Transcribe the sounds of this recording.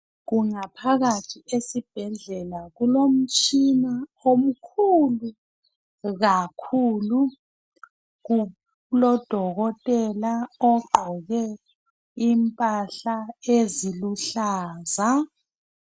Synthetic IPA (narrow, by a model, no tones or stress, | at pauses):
ɣuŋapʰaɣatʰiesib̥ʱɛɮɛlaɣulom̩t͡ʃʼinaom̩kʰulu | ɣakʰuːlu | ɣ | lɔd̥ʱɔɣɔtʼɛlaɔɡ͡ǃʱɔɣɛ | impʼaɬaeziluɬaːza